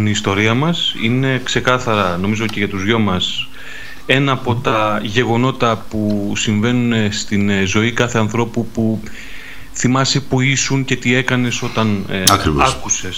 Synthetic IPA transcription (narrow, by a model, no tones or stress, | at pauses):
nist̪o̞ɾiɐmɐsḭne̞kse̞kɐθɐɾɐno̞mizo̞ce̞ʝɐt̪uzʝo̞mɐs | e̞nɐːpo̞t̪ɐʝe̞ɣo̞no̞t̪ɐpusiɱve̞nunest̪inzo̞ikɐθe̞ɐnθɾo̞pupu | θimɐse̞puisunce̞t̪ie̞kɐne̞so̞t̪ɐnɐkɾiɐkuse̞s